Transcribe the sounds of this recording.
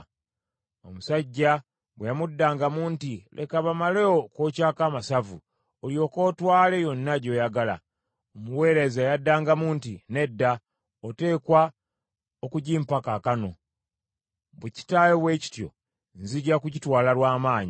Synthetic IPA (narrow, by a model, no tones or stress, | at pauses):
o̞musaɟːa | βwejamudːaːŋɡamuːntilʔḛkaβamaleokoːcaːkamasavu | oljo̞ːko̞ːtwaːle̞jo̞nːaɟo̞ːjaɡala̰ | omuwe̞ːɾe̞zajadːaːŋɡamuːntine̞dːa | ote̞ːkwa | okuɟiːmpakakano̞̰ | βweci̥tajowe̞ːci̥tjo̞̰ | nziɟakuɟitwaːlalwaːmaːɲi